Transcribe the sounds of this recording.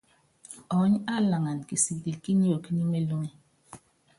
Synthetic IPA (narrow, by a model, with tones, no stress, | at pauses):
ɔ˨˦ɲa˦˨la˨ŋa˨n˨ki˨si˨di˨ki˦ɲo˦˨ki˦ni˦me˦lo˦ŋe˦